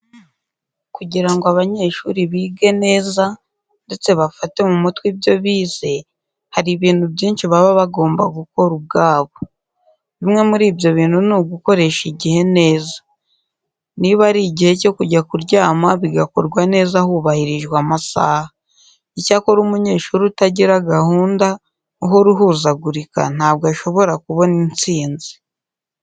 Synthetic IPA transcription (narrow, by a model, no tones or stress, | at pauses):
kuɟiɾaŋɡoaβaɲe̞ːʃuɾiβiːɡene̞ːza | nde̞t͡se̞βafate̞mumutwibjo̞βiːze̞ | haɾiβiːnhubɟiːnʃiβaβaβaɡo̞ːmbaɡuko̞ɾub̚ɡaːβo̞ | βimŋe̞muɾiːbjo̞βiːnhunuɡuko̞ɾe̞ʃiɟihe̞ne̞ːzḁ | niβaɾiɟihe̞co̞kuɟakuɾɟaːmaβiɡako̞ɾɡwane̞ːzahuβahiɾiʒɡwaːmasa̰ːha | icako̞ɾumuɲe̞ːʃuɾutaɟiɾaɡahuːnda | uɦo̞ɾuɦuːzaɡuɾika̰n̥aːb̚ɡaʃo̞βo̞ɾakuβo̞nint͡siːnzi̥